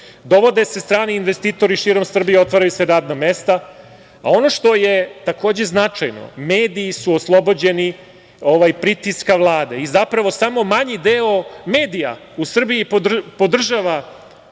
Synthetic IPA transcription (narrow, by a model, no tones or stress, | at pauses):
d̪o̞ʋo̞d̪esast̪ɾaːniinʋest̪iːt̪o̞ɾiʃiːɾo̞msr̩bijeo̞t̪ʋaɾajuseɾaːd̪namest̪a | a̰o̞no̞ʃt̪o̞jet̪ako̞ːd͡ʑe̞znat͡ʂajno̰meːd̪iːsuoslˠo̞bod͡ʑe̞ni | oʋajpɾit̪iskaʋlˠaːd̪e̞izapɾaʋo̞samo̞maɲid̪eomeːd̪ija̰ | usr̩biipopo̞d̪r̩ʒaʋa